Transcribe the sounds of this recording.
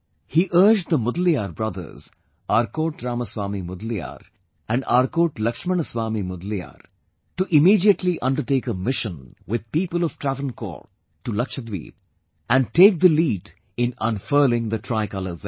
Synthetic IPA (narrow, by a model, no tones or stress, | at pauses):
hiːʔəːɾd͡ʒɖd̪əmʊd̪l̩ijaːɾbɾʌd̪ə̰ɾz | aːɾkoːʈɾaːməsʋaːmimʊd̪lija̰ːɾ | æ̃ɳɖaːɾkoːʈlʌkʃmənəsʋaːmimʊd̪lia̰ːɾ | ʈuʔɪmiːɖiəʈliʔʌ̃nɖəɾʈeːkəmɪʃə̃nwɪd̪̚piːpəlɔʋʈɾævə̃nkɔ̰ːɾ | ʈːulʌkʃəd̪ʋḭːd | æ̃ɳ̚ʈeːk̚d̪əliːɖ | ɪ̃nə̰̃nfəːlɪ̃ŋd̪əʈʰɾaɪkʌləz